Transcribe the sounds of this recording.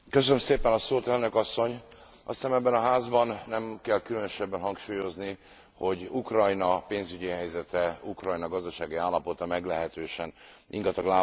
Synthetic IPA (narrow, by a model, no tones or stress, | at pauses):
køs̬ønømseːpɛnɒsoːt̪ɛlnø̞kɒsːo̞ɲ | ɒ̰st̪aːmɛbːɛnɒɦaːzbɒnːɛmkɛlkylønøʃɛbːɛnɦɒŋkʃuːjo̞zni | ho̞ɟukrɒjnɒpeːnzyɟiɦɛjzɛt̪ɛukrɒjnɒɡɒzd̪ɒʃaːɡiaːlːɒpo̞t̪ɒmɛɡlɛɦɛt̪øːʃɛn | ḭŋɡɒt̪ɒɡlaː